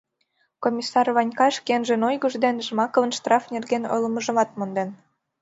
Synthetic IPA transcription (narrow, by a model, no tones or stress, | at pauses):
komʲisːɑrβɑnʲkɑʃkenʒenojɣəʒd̪enʒmɑkɤlə̆nʃt̪rɑfnerɣeno̰jləməʒə̆mɑt̪̚mond̪en